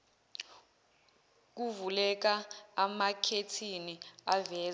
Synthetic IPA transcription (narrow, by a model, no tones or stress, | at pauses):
k̬uvulɛk̬aːmakʰetʰiniavɛː